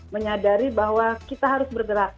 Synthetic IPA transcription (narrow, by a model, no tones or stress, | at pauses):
məɲadaɾibaɦwakit̪aɦaɾʊsbərɡəɾak̚